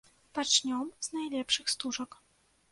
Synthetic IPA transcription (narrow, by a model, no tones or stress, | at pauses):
pat͡ʂnʲɔmznajlʲɛpʂɨxst̪uʐɐk